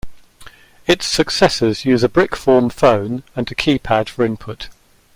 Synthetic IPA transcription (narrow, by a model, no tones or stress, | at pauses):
ɪtsəksɛsəzjʉːzəbɹɪkfɔːmfə̃ʊ̃nə̃nəkʰiːpʰad̥fəɹɪ̃npʰʊt